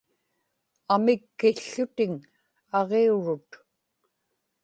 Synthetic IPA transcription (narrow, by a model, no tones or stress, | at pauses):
amɪkːɪɬːʊt̪ɪŋ | ɑʁeuɻʊt̪